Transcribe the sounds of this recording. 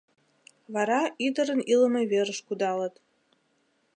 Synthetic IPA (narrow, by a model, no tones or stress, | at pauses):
βɑɾɑʔid̪əɾə̆niləmə̆jβeɾəʃkud̪ɑlə̆t̪